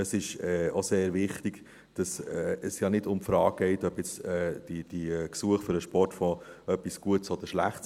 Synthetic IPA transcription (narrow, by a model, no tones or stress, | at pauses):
əsɪʃɛːoseːɾvɪχtiɡ̥ | d̥ɑsɛəsjɑnɪdʊmfɾɑːk̚ɡ̥ɛɪtœb̥jɛt͡sɛːd̥id̥iksuəχfʏɾəʃpɔrtfɔœpːisɡ̥uətsɔd̥̪əɾʃlæχts